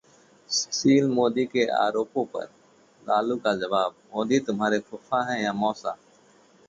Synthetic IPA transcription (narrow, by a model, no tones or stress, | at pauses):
siːlmoːd̪iːkeʔa̰ːɾoːpõːpɐ̰ɾ | laːluːkad͡ʒəʋaːbmoːd̪iːt̪ʊmɦaːɾekʰʊfãːɦɛ̃jaːmɔːsa̰ː